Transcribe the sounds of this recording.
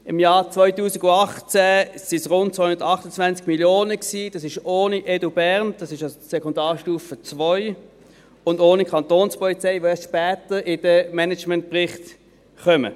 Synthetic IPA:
ɪmjaːʁt͡svɔʏtuːsiɡʊɑχt͡sɛsɪsʁʊnt̚t͡sːʋahʊndətɑχtət͡svant͡skmiljoːnəksiːd̥ɑsɪʃoːniʔɛdobɛʁnd̥ɑsɪʃɑssɛkondɑːʁʃtuːfət͡svɔʏ | ʊndoːnikʰɑntoːnspɔlit͡sɛɪvʋoɛsʃpɛːtəɪd̥əmɛnɛt͡ʃmɛnt̚pʁɪχt | χœmə̰

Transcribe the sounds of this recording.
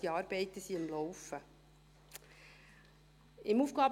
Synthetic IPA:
iɑːɾbɛɪt̪əsiɪmlɔwfə | ɪmuːfɡ̥ɑːb

